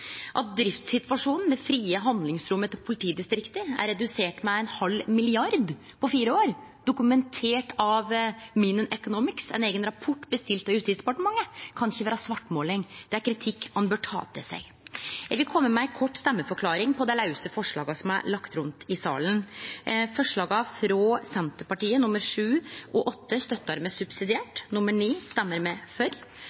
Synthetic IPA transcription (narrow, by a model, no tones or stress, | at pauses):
ʔɑt̪̚d̪ɾɪft̪sɪt̪ʋɑʂuːnn̩d̪ɛfɾiːəɦɑnd̪lɪŋsɾʊmːət̪ɔpʰʊlɪt̪ʰiːd̪ɪst̪ɾɪkt̪əæ̰ɾːɛd̪ʉseːʈmɛɛnhɑlmɪlɪɑɾd̪ | pʰɔfiːɾəoːɾ | d̪̥ʊkʉmɛnt̪ʰeːʈɑʋminənʔœkʊnuːmɪksɛ̰neːɡənɾɑpʰɔʈːbəst̪ɪlt̪ɑʋjhʉst̪iːsd̪ɛpɑʈəmɑŋːəkʰɑnɪçːəʋæːɾəsʋɑʈːmoːlɪŋd̪̥ɛæɾkʰɾɪt̪ʰɪkːhɑnbøːʈʰɑ̰ːt̪əsɛ̰ɪ | jɛɡʋɪlkʰɔmːəmɛkʰɔʈːst̪ɛmːəfɔɾkʰlɑːɾɪŋpʰɔd̪ɛlɑʉsəfɔʂɭɑ̰ːɡɑsɔmɑ̰ɭɑkt̪ɾʉnt̪ʰɪsɑ̰ːlən | fɔʂɭɑːɡɑfɾɔsɛnt̪əɾpɑʈiːənʊməɾʂʉːʔɔʔɔt̪ːəst̪œt̪ːɑɾmɛsʉbsɪd̪ɪæːʈnʊmːəɳiːst̪ɛmːəɾmɛfœɾ